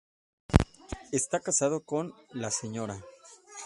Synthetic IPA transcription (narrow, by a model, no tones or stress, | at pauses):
e̞st̪akasað̞o̞ko̞nlase̞ɲo̞ɾa